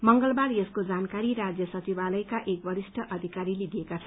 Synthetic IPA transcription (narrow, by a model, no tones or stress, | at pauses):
mʌŋɡʌlbarjeskod͡zankaɾiɾad͡zjʌsʌt͡sibalʌjkaʔek̚bʌɾisʈʰʌʔʌd̪ʱikaɾilid̪ʱijekat͡sʰʌ